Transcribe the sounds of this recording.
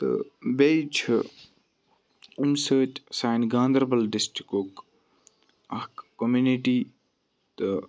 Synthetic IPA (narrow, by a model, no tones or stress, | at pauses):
t̪ɨ̰beit͡ʃʰ | umsəːt͡ʃsaːjnɡãːnd̪ɾɐbɐlɖɪsʈɾi̥kok | ɐkkomjuniʈiː | t̪ɨ